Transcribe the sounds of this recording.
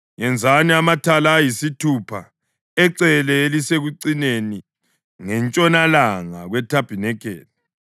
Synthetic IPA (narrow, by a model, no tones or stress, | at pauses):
jɛnd͡zʱaniamatʰalaːjisitʰupʰa | ɛǀɛlɛeliseɣuǀineni | ŋɛnt͡ʃʼɔnalaŋa̰ɣwɛtʰab̥ʱinɛkʰɛ̰ːla